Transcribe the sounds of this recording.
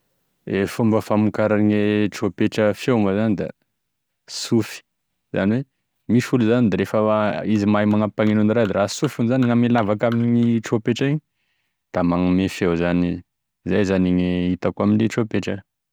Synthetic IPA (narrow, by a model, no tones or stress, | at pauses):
efumbəfamikaɾaɲeʈ͡ʂopeʈ͡ʂəfewməzanid̪a̰ | sufi̥ | za̰niwe | mifuluzanid̪aɾefəizimajmaŋapaŋenuniɾad̪iɾasufunizaniŋamelavakaminiʈ͡ʂopeʈ͡ʂiɲ | d̪̥amaŋmefewzani | zajzaniɲeit̪akuaminiʈ͡ʂopeʈ͡ʂə